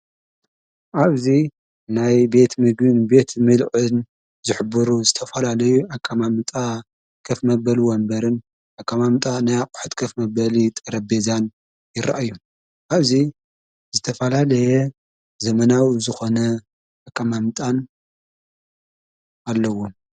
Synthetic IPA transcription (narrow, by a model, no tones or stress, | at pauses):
ʔaβzi | najbe̞t̪mɨɡɨnbe̞t̪ʰmɨlʕɨn | zɨħɨbɨɾuzɨt̪ʰɐfɐlalɐjuakʼːamamt̪ʼa | kʰɐfmɐbɐlwɐmbɐɾɨn | ʔakʼːamamt̪ʼanajaqʼʊ̥ħɨt̪kʰɐfmɐbɐlit̪ʼɐɾɐbezan | jɪɾa̰ʔjːu | ʔaβzi | zɨt̪ʰɐfɐlalɐjɛ | zɐmɐnawizɨxo̞nɐ | ʔakʼːamamt̪ʼan | alːɐwom